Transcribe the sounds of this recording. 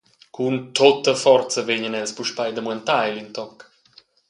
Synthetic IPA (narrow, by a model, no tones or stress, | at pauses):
kunt̪ot̪əfɔrt͡səveɲənɛlspuʃpajd̪əmwɛnt̪ajlint̪ɔk